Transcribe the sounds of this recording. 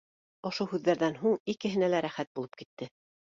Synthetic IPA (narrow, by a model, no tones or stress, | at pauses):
ŏʃuhʉðːæɾðænɦuɴikɘ̆ɦɘ̆nælæɾæχæt̪̚bulˠɤp̚kit̪ːɘ